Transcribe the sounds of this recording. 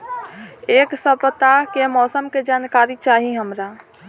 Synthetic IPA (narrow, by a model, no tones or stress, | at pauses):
eːksəpət̪akemɔːsəmked͡ʒaːnkaɾit͡ʃaːɦiɦəmɾa